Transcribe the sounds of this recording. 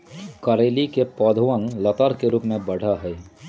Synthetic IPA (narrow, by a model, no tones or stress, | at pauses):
kɐɾeːlikepɔːd̪ʱʊʋə̃nlɐt̪əɾkeɾuːpmẽbɐɽ̤aɦɛː